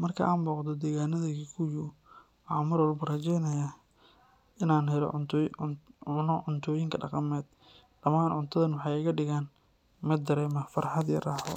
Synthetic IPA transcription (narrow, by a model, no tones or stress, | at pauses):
mɐrkʰɐ̰ʔaːnbɔːqd̪ɔd̪ɛːɣaːnɐðɐɣikʰʊjʊ | ʔɑmɐɾwɔlbɐrɐt͡ʃɛjnɐjɐ | ʔɪnaːnɦɛlɔ̰ | ʊnɔʕʊnt̪ʰɔːjɪŋkʰɐɖɑ̰qɑmɛːd̪ | d̥ɐmaːnʕʊnt̪ʰɐðɐnwɑħɑjɪɣɐɖɪɣaːn | mɐd̪ɐɾɛːmɐfɐrħɑd̪jɐ̰raːħɔ̰